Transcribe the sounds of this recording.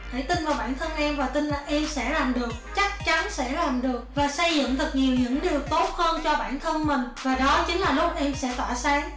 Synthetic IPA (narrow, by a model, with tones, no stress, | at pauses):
ɗe˧˩t̪i˧nvaː˨˩wɓa̰ː˧˩nt̪ʰə˧nʔɛ˧mvaː˨˩t̪ï˧nlaː˨˩ʔɛ˧msɛ̰˧˥laː˨˩mɗɨ˨˩ək̚t͡ɕa˦˥k̚t͡ɕa˨˦nsɛ̰˧˥laː˨˩mɗɨ˨˩ək̚vaː˨˩sə˧jzɨ̰˧˨ŋt̪ʰɨ˨˩k̚ɲi˨˩əwɲɨ̰˧˥ŋɗi˨˩əwt̪o˦˥t̚həː˧nt͡ɕɔ˧ɓa̰ː˧˩nt̪ʰə˧nmï˨˩ŋ̟vaː˨˩ɗɔ˨˦t͡ɕï˨˦ŋlaː˨˩lʊ˦˥k͡p̚ʔɛ˧msɛ̰˧˥t̪waː˧˩saː˨˦ŋ